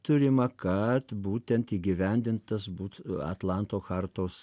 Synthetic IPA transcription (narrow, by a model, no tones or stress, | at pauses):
t̪ʊɾʲɪmɐkɐt̪buːt̪ʲɛnt̪iːɡʲɪʋʲɛnʲd̪ʲɪnt̪ɐsbuːt̪ɐ̰t̪lˠɑnt̪oːxɑɾt̪oːs